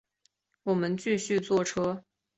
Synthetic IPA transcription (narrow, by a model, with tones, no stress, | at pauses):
wɔ˨˩mə˦nt͡ɕy˥˧ɕy˥˧t͡swɔ˥˩ʈ͡ʂʰɤ˥